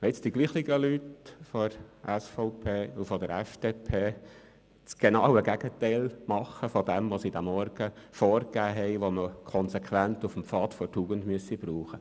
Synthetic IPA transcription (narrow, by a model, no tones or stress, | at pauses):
ɪt͡sd̥iɡliːχlɪɡəlytfoɾʔɛsfɔʊpʰeːufɔd̪əɾɛfd̥epʰeː | t͡sɡ̥enɑwəɡæɡ̥ətɛæɪlmɑχəfɔd̪ɛmʋosid̥̪æmɔɾɡ̥əfɔːɾkæːɦɛɪʋoməkʰɔnsekʰʋænt̪ufəmfɑːt̪fɔtjuːɡəndmyəsib̥ɾuːχə